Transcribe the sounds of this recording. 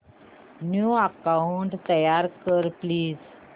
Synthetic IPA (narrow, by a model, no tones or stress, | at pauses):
njuəkauɳʈt̪əjaɾkəɾpliːd͡z